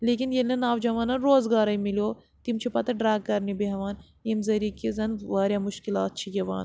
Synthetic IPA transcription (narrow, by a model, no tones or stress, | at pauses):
leːkinjelnɐnaːʋd͡ʒɐʋaːnɐnɾoːzɡaːɾɐimiljoː | t̪imt͡ʃʰipɐt̪ɐɖɾaːɡ̚kɐɾnibeɦɐʋaːn | emzɐɾiːkizɐnʋaːɾʲjaːmʊʃkilaːt̪̚t͡ʃʰijɐʋa̰ːn